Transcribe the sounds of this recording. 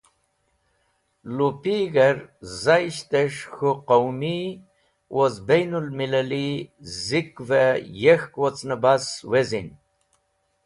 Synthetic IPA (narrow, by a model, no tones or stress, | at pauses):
lupiɣəɾzajʃt̪eʃxuqowmi | wʔozbejnulmilalizikvɛjexkwɔt͡snəbaswezin